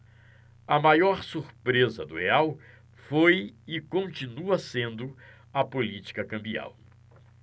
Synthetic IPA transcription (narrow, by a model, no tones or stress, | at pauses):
ɐmajɔɾsuɾpɾezɐd̪ʊeaw | fojɪkõnt͡ʃinuɐsẽnd̪ʊ | ɐpolit͡ʃi̥kɐkɐ̃mbia̰w